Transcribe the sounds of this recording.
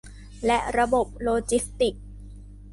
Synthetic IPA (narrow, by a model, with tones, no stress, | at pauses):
lɛ˦˥ʔɾa˧bo˨˩p̚loː˧t͡ɕi˦˥st̪i˨˩k̚